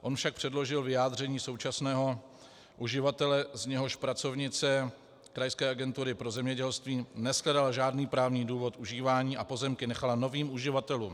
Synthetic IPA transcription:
ʔo̞nfʃak̚pr̝̥ɛdlo̞ʒɪlvɪjaːd̪r̝ɛɲiːso̞wt͡ʃasnɛːɦo̞ | ʔuʒɪvat̪ɛlɛzɲɛɦo̞ʃpɾat͡so̞vɲɪt͡sɛ | kɾajskɛːʔaɡɛnt̪uɾɪpɾozɛmɲɛɟɛlst̪viːnɛsklɛdalaʒaːdniːpɾaːvɲiːduːvo̞t̪ʔuʒiːvaːɲiːʔapo̞zɛmkɪnɛxalano̞viːmuʒɪvat̪ɛluːm

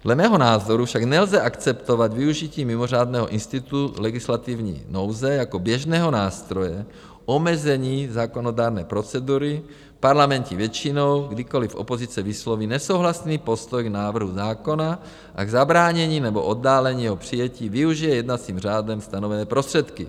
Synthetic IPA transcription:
dlɛmɛːɦonaːzoɾufʃaɡnɛlzɛʔakt͡sɛpt̪ovad̪viuʒiciːmimor̝aːd̪nɛɦoʔinst̪it̪ulɛɡislat̪ivɲḭːnowzɛjakobjɛʒnɛːɦonaːst̪ɾojɛ | ʔomɛzɛɲiːzaːkonodaːɾnɛːpɾo̞t͡sɛd̪uɾi | paɾlamɛncivjɛt͡ʃinowɡdiko̞lifʔo̰pozit͡sɛviːslovinɛsowɦlasniːpost̪ojɡnaːvr̩ɦuzaːko̞na | ʔa̰ɡzabɾaːɲɛɲiːnɛboʔod̪ːaːlɛɲiːjɛɦopr̥ijɛciːviuʒijɛjɛd̪nat͡siːmr̝aːdɛmst̪anovɛnɛːpɾost̪r̥ɛt̪ki

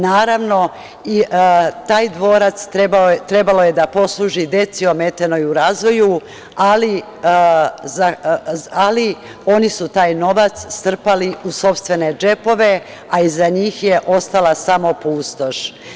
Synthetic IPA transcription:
naːɾaʋno̞ | it̪aːjd̪ʋo̞ːɾat̪st̪ɾebaot̪ɾe̞balo̞je̞d̪apo̞slˠuːʒid̪e̞t̪sio̞me̞t̪enojuɾaːzʋo̞ju | ali | za | ali | o̞nisut̪aːjno̞ʋat̪sst̪r̩paliuso̞pst̪ʋe̞ne̞d͡ʒe̞po̞ʋe̞ | aizaɲiːxje̞ʔo̞st̪alasamo̞puːst̪o̞ʃ

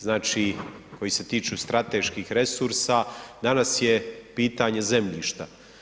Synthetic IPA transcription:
znaːt͡ʃiko̞jise̞t̪iːt͡ʃust̪ɾat̪eʃkiːxɾe̞suɾsad̪anasje̞piːt̪aɲe̞ze̞mʎiːʃt̪a

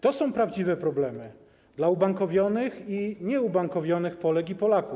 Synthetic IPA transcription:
t̪ɔsɔ̃w̃pɾavd͡ʑivɛpɾɔblɛmɘ | d̪laubaŋkɔvʲjɔnɘxiɲɛubaŋkɔvʲjɔnɘxpɔlɛkipɔlaku

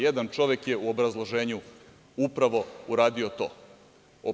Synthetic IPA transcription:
jed̪ant͡ʃo̞ʋjekjeuobɾazlˠo̞ʒeːɲu | upɾaʋo̞uɾaːd̪io̞t̪o̰ː | o

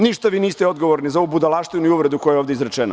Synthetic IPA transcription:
niʃt̪aʋiːniːst̪ɛo̞d̪ɡoʋoɾnizaoubud̪alˠaʃt̪viunuuʋɾed̪uko̞jajoːvd̪ʲeizɾet͡ʃeno̰

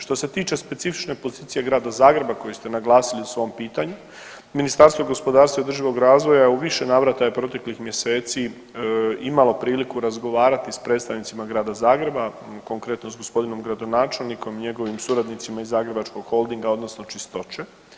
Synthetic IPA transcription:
ʃt̪o̞se̞t̪iːt͡ʃe̞spe̞t̪sifi̥t͡ʃne̞po̞ziːt̪sije̞ɡɾaːd̪azaːɡɾe̞bako̞jest̪e̞naɡlˠaːsiliusʋo̞mpiːt̪aɲu | minist̪aɾst̪ʋoɡo̞spo̞d̪aːɾst̪aiod̪rʒiʋo̞ɡɾaːzʋo̞jajeuʋiʃe̞naːʋɾat̪ajepɾo̞t̪e̞klixmje̞se̞ːt̪si | imalˠo̞pɾiːlikuɾazɡo̞ʋaːɾat̪ispɾet̪st̪aʋnit̪imaɡɾaːd̪azaːɡɾe̞bako̞ŋkɾet̪nozɡo̞spo̞d̪ino̞mɡɾad̪o̞naːt͡ʃe̞lˠniko̞miɲe̞ɡo̞ʋimsuɾad̪nit̪simaizaːɡɾe̞bat͡ʃko̞ɡ̥xo̞lˠd̪iŋɡao̞d̪no̞sno̞t͡ʃist̪o̞t͡ʃe

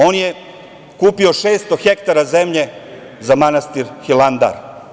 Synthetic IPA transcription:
o̞ːnje | kuːpio̞ʃeːst̪o̞xekt̪aɾaze̞mʎe̞ | zamanast̪iɾxiland̪a̰ɾ

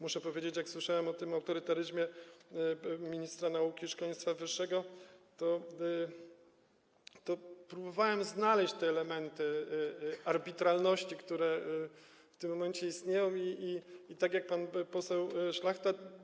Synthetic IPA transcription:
muʂɛpɔvʲjed͡ʑet͡ɕjakswɘʂawɛmɔt̪ɘmawt̪ɔɾɘt̪aɾɘʑmʲɛ | mʲiɲist̪ɾanaukʲiʂkaj̃st̪favɘʂːɛɡɔt̪ɔ | t̪ɔpɾubɔvawɛmznalɛɕt͡ɕt̪ɛːlɛmɛnt̪ɘ | aɾbʲit̪ɾalnɔɕt͡ɕikt̪uɾɛ | ft̪ɘmːɔmɛnt͡ɕɛist̪ɲejɔ̃w̃iiːt̪aɡjak̚panpɔsɛwʂlaxt̪a

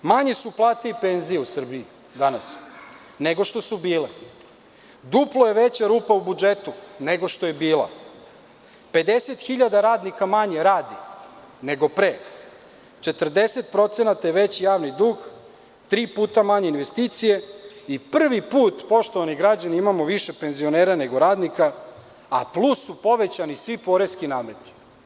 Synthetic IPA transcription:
maɲe̞suplˠaːt̪eipe̞nzijeusr̩bii | d̪anas | ne̞ɡo̞ʃt̪o̞subiːle | d̪uplˠojeʋe̞t͡ɕaɾuːpaubud͡ʒet̪une̞ɡo̞ʃt̪o̞je̞biːlˠa̰ | pe̞d̪e̞set̪xiʎad̪aɾaːd̪nikamaɲe̞ɾaːd̪i | ne̞ɡo̞pɾeː | t͡ʃe̞t̪r̩d̪e̞set̪̚pɾo̞t̪senat̪ajeʋe̞t͡ɕijaːʋnid̪uːɡ | t̪ɾiːpuːt̪amaɲeinʋest̪iːt̪sije̞ipr̩ʋipuːt̪po̞ʃt̪o̞ʋaniɡɾad͡ʑaniimamo̞ʋiʃe̞pe̞nzio̞ne̞ːɾane̞ɡo̞ɾaːd̪nika | a̰plˠusːupo̞ʋe̞t͡ɕanisʋipo̞ːɾeskinaːme̞t̪i̥

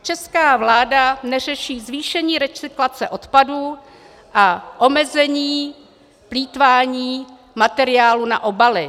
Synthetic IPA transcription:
t͡ʃɛskaːvlaːdanɛr̝ɛʃiːzviːʃɛɲiːɾɛt͡sɪklat͡sɛʔo̞t̪paduː | ʔaʔo̞mɛzɛɲiː | pliːt̪vaːɲiː | mat̪ɛɾɪaːluna̰ʔo̞balɪ

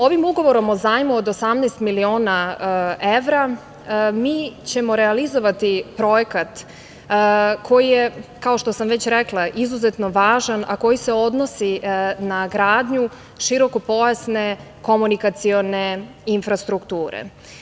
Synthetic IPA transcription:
o̞ʋimuɡo̞ʋo̞ɾo̞mozajmuod̪osamnɛːst̪milio̞ːna | eʋɾa | miːt͡ɕemo̞ɾɛalizo̞ʋat̪ipɾo̞jekat̪ | kʰo̞jijekao̞ʃt̪o̞samʋe̞t͡ɕɾeklˠaʔizuzet̪no̞ʋaːʒana̰ko̞jise̞o̞d̪no̞sinaɡɾaːd̪ɲu | ʃiɾo̞ko̞po̞jasne̞ | ko̞munikat̪sione̞ | infɾast̪ɾukt̪uːɾḛ

